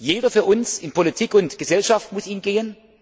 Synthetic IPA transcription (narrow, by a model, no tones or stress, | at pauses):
jeːɾɐfyːɐʔʊnsɪnpʰolitʰiːkʊntɡ̥əzɛlʃaftmʊsiːnɡeːən